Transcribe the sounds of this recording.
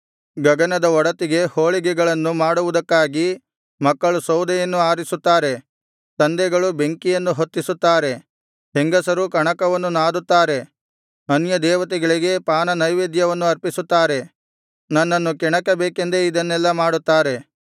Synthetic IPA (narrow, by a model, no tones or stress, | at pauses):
ɡɐɡɐnɐd̪ɐɔɽɐt̪iɡe̞hoːɭiɡɛɡɐɭɐnːumaːɽuʋud̪ɐkːaːɡi | mɐkːɐɭusɐwd̪ɐjɐnːuaːɾisut̪ːaːɾe̞ | t̪ɐnd̪ɛɡɐɭube̞ŋkijɐnːuɦot̪ːisut̪ːaːɾe̞ | heŋɡɐsɐɾukɐɳɐkɐʋɐnːunaːd̪ut̪ːaːɾe̞ | ɐnjɐd̪ɛːʋɐt̪̬iɡɐɭiɡe̞paːnɐnɐjʋeːd̪jɐʋɐnːuɐɾpisut̪ːaːɾe | nɐnːɐnːukɛɳɐkɐbeːkend̪eid̪ɐnːɛlːɐmaːɽut̪ːaːɾe̞